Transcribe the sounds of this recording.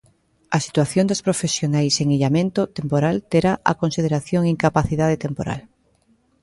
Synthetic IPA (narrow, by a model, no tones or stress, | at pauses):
ɐsi̥t̪waθjond̪ospɾofesjonajseŋiʎamẽnt̪ot̪empoɾalt̪eɾaʔa̰konsið̞eɾaθjoŋiŋkapaθiðað̞et̪empoɾa̰l